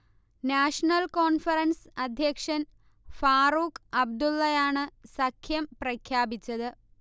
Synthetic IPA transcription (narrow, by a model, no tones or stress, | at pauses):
naːʂɐnɐlkoːnfɐɾɐnsɐd̪ʱjɐkʂɐn | faːɾuːkɐb̚d̪ulːɐjaːɳɨsɐkʰjɐmprɐkʰjaːbit͡ɕːɐðɨ